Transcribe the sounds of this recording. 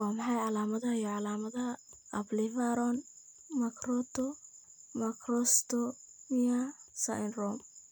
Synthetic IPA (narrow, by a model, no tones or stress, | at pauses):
waːmɑħɑjʕɑlaːmɐðɐjɔʕɑlaːmɐðɐ | ɐblivaɾɔn | mɐkʰrɔt̪ʰɔ | mɐkrɔst̪ɔmiasa̰ɪnrɔm